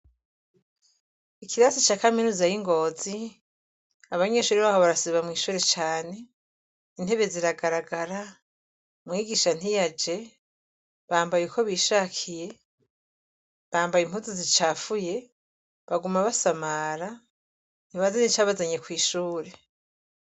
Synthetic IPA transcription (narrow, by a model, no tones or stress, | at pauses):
ikiɾasit͡ʃaːkaminuzajiŋɡo̞zi | aβaɲe̞ːʃuːɾiβahoβaɾasiβamŋiːʃuːɾe̞t͡ʃaːne̞ | in̥e̞βe̞ziɾaɡaɾaɡaɾa | mŋiːɡiʃan̥ijad͡ʒe̞ | βaːmbajekʰo̞βiʃaːkʰije̞ | βaːmbajim̥huzizit͡ʃaːfuje̞ | βaɡumaβasamaɾa | niβazanit͡ʃaːβazaɲe̞kwiːʃuːɾe̞